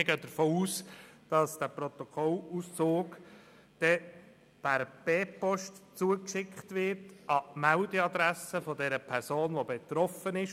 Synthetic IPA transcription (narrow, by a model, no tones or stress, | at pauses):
ɪɡœːd̥̪əɾfoːuːsd̥ɑsd̥æpɾɔt̪ɔkʰɔlust͡soːɡ | d̥ɛ | b̥æɾb̥eːpɔʃtt͡suəkʃɪkχtʋɪɾtɑmæʊdɛɑd̪ɾæsəfɔdɛɾəpʰæɾsoːnʋobet̪ɾɔfənɪʃ